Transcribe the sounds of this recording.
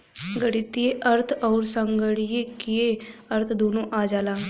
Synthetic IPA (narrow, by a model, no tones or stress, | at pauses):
ɡəɽɪt̪ijeʔəɾt̪ʰɔːɾsə̃ŋɡəɽijekijeəɾt̪ʰd̪oːnõʔaːd͡ʒaːlaː